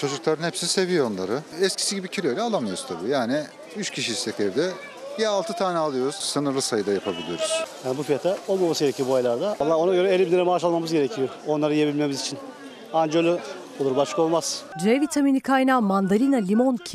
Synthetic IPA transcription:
t͡ʃʰo̞d͡ʒuklˠaɾɯnhɛpsizise̞vijoonlˠa̰ɾɯɛscʰi̥siɟibicʰiɾoɾʲɛalˠamɯjoɾust̪ʰabujaːni | yt͡ʃcʲʰiʃiist̪ʰʲɛcɛɾd̪ɛ | jaalˠt̪ʰɯt̪ʰaːnɛalˠɯjo̞ɾuz̥sɯnɯɾlˠɯsajɯd̪ajapʰabilʲijo̞̰ɾuz̥jaːnibufijat̪ʰao̞lˠmamasɯɟeɾecʰijobuajlˠaɾd̪aalˠːaːo̞naɟø̞ɾɛelʲibinʲeɾɛmaːʃalˠmamɯzɟe̞ɾecʰijoonlˠaɾajijebilʲme̞mizit͡ʃʰin | and͡ʒølʲy | olˠuɾbaʃkʰao̞lˠmaz̥d̪ɾevit̪ʰaminikʰajnamand̪aɾʲinalʲimoncʰi

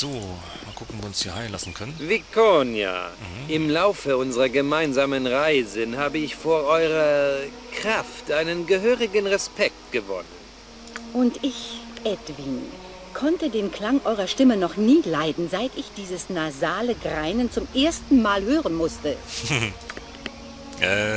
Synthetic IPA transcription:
z̥oː | makʰʊkŋ̩viʊnsiːɐhaɪla̰sn̩kʰœnənvikonja̰ʔɪmlaʊfəʊnzəʁɐɡəmaɪnzaːmənʁaɪzənhaːbəɪçfoːɐʔɔʏʁɐkʁ̥aftʔaɪnənɡəɦøːʁɪɡənʁɛspʰɛk̚t̚ɡ̥əvɔ̰nən | ʔʊntʔɪçʔɛtvin | kʰɔntədeːnkl̥aŋʔɔʏʁɐʃtɪmənɔχniːlaɪdn̩zaɪtɪçd̥iːzəsnazaːləɡʁaɪnənt͡sʊmʔeːɐstn̩maːlhøːʁənmʊstə

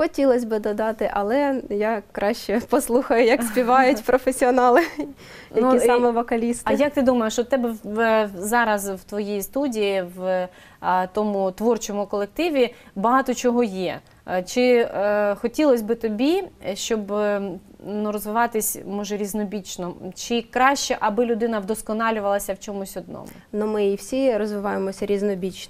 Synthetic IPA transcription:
xɔtʲilˠɐsʲbɪd̪ɔd̪ɑt̪ɪʔɐlˠɛjakɾɑʃt͡ʃɛpɔslˠuxɐjʊjɐksʲpʲiʋɑjʊtʲpɾɔfesʲiɔnɑlˠɪ | njɐuisɑmɛʋɔkɐlʲist̪ɪjɐk̚t̪ɪd̪umɐjeʃt͡ʃɔt̪ɛbɛ | zɑɾɐzwt̪ʋɔjijist̪udʲijiʋ | t̪ɔmʊt̪ʋɔrt͡ʃɔmʊkɔlˠek̚t̪ɪʋʲi | bɐɦɑt̪ɔt͡ʃɔɦɔjɛ̰ | t͡ʃɪ | xɔtʲilˠɔsʲbɪt̪ɔbʲiʃt͡ʃɔb | nuɾɔzʋɪʋɑt̪ɪsʲmɔʒɛɾʲiznɔbʲit͡ʃnɔt͡ʃɪkɾɑʃt͡ʃɛʔɐbɪlʲʊd̪ɪnɐwd̪ɔskɔnɑlʲʊʋɐlˠɐsʲɐwt͡ʃɔmʊsʲɔd̪̚nɔ̰mʊ̰nʊmɪiwsʲiɾɔzʋɪʋɑjemɔsʲɐɾʲiznɔbʲit͡ʃn

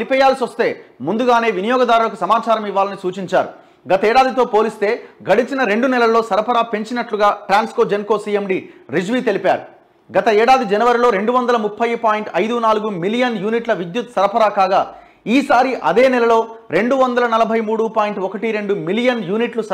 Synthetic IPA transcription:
ipɛːjaːlsiʋɐst̪e̞ːmund̪uɡaːne̞ːʋinijɔːɡɐd̪aːɾulɐk̬usɐmaːt͡ʃaːɾɐmiʋːaːlɐnisuːt͡ʃiɲt͡ʃa̰ːɾṵ | ɡɐt̪ɐɛːɽaːd̪it̪o̞ːpo̞ːlist̪e̞ːɡɐɽit͡ʃinɐɾe̞ɳɖunɛlɐlo̞ːsɐɾɐpɐɾaːpeɲt͡ʃinɐʈluɡaːʈɾaːnskod͡ʒenko̞ːsiːjemɖiɾid͡ʒʋiːt̪e̞lipaːɾu | ɡɐt̪ɐɛːɽaːd̪id͡ʒɛnɐʋɐɾilo̞ːɾe̞ɳɖuʋɐnd̪ɐlɐmupʰːɐjpaːjiɳʈɐjd̪unaːluɡumilijɐnjuːniʈlɐʋid̪jut̪sɐɾɐpʰɐɾaːkaːɡaː | iːsaːɾiʔɐd̪e̞ːnɛlɐlo̞ːɾe̞ɳɖuʋɐnd̪ɐlɐnɐlɐbʱɐjmuːɽupaːjiɳʈɔkɐʈiɾe̞ɳɖumilijɐnjuːniʈlus

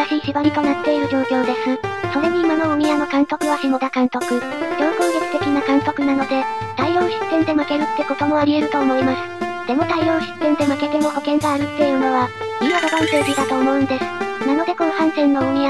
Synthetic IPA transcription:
aɕiːɕibaɾʲit̪o̞nat̪ːe̞iɾɯ̟d͡ʑo̞ːkʲo̞ːd̪e̞sɨso̞ɾeɲ̟iːmano̞ɯɲijanokãŋso̞kɯ̟βaɕimo̞d̪akãŋko̞kɯ̟ | do̞ːko̞ːɡʲokɯ̟t̪e̞kʲinakãŋso̞kɯ̟nano̞d̪e̞t̪aiõ̞ːɕi̥t̪ːẽ̞nd̪e̞make̞ɾɯ̟t̪ːe̞ko̞t̪o̞mo̞aɾʲie̞ɾɯ̟t̪o̞ːmo̞imasɨ̥d̪̥e̞mo̞t̪aiõ̞ːɕi̥t̪ːẽ̞nd̪e̞make̞t̪e̞moko̞kẽ̞ŋɡaːɾɯ̟t̪ːe̞jɯ̟ːno̞βa | imad̪obãnsoːbʲid̪at̪o̞ːmo̞ɯ̟̃nd̪e̞sɨ̥nano̞d̪e̞konohãɰ̃sẽ̞nːo̞ɯɲʲia

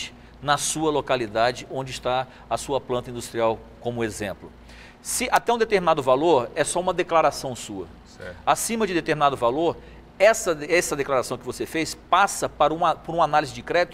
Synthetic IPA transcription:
t͡ʃɪ̥ | nɐsuɐlokalid̪ad͡ʒɪõnd͡ʒɪst̪a | ɐsuɐplɐ̃t̪ɐĩnd̪ust̪ɾiaw | kõmʊezẽmplʊ | sɪʔat̪ɛũd̪et̪eɾminad̪ʊvaloɾɛsɔũmɐd̪eklaɾasɐ̃w̃suɐ̰ | sɛasĩmɐd͡ʒɪd̪et̪eɾminad̪ʊvaloɾ | ɛsɐɛsɐd̪eklaɾasɐ̃w̃kɪvosefejspasɐpaɾũɐpoɾũanalizɪd͡ʒɪkɾɛt̪ʊ

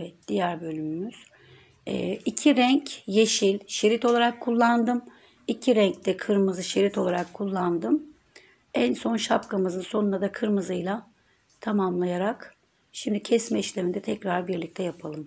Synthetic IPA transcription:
evɛt̪̚d̪̥ijæɾbø̞lʲymymyz̥ | ɛ̰ːicʰiɾɛɲcjeʃilʲʃeɾit̪o̞lˠaɾakʰːulˠːand̪ɯm | icʰiɾɛɲct̪ɛkʰɯɾmɯzɯʃeɾit̪ʰo̞lˠaɾakʰːulˠːand̪ɯm | ænso̞nʃapkʰamɯzɯnso̞nunad̪akʰɯɾmɯzɯjlˠa | t̪ʰamamlˠajaɾak | ʃimd̪icʰɛsmɛiʃlʲemind̪ɛt̪ʰɛcɾaɾbiɾlʲic̚t̪ʰɛjapʰalˠɯm

